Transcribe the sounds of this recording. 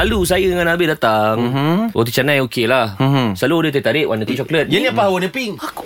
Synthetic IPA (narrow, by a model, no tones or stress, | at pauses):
alus̬ajədəŋãnabɪʔdat̪aŋwʔa̰t̪̬ut͡ʃanãjokelahsalodət̪at̪aɾɪʔwʔa̰nət̪ut͡ʃɔklət̪̚jəniapaɦwanəpiŋak